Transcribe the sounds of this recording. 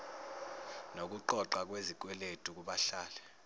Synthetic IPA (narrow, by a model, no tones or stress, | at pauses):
nok̬uǃɔǃak̬wezik̬ʼwɛletʼuk̬uɓaɬaːlɛ